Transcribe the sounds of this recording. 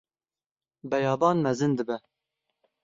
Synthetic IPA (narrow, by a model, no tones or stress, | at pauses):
bɛjɑːbɑːnmɛzɨnd̪ɨbɛ